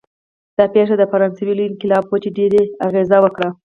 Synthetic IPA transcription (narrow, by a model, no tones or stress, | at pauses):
d̪̥ɑpeʂad̪əfaɾɑnsawiloɪnkɪlɑbwət͡ʃeɖeɾeaɣezawəkɽa